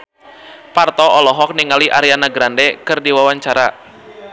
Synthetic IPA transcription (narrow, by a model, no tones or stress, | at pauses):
part̪ɔɔlɔɦɔk̚niŋaliʔaɾianaɡɾandɛkɨrdiwawaɲt͡ʃaɾa